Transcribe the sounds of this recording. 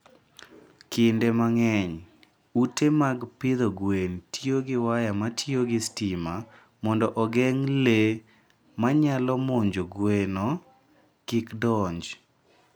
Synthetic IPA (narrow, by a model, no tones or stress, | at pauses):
kɪndemaŋɛɲ | utemaɡpɪd̪oɡwentjoɡɪwajamatʰjoɡɪstima | mɔndɔʔɔɡɛŋle | maɲalɔmoɲd͡ʒoɡweno | kɪkdɔɲd͡ʒ